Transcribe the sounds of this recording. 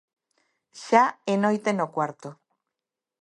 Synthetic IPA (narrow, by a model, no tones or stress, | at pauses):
ʃaenojt̪enokwaɾt̪o